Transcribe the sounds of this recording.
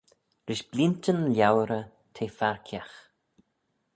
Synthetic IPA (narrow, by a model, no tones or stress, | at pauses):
ɾɪʃb̥lintənlʲjawɾə | t̪ʰeːfaɹkʰjax